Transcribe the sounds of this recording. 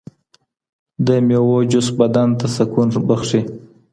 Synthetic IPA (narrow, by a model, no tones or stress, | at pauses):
d̪əmjowod͡ʒʊsbad̪ant̪asakunbəxʂi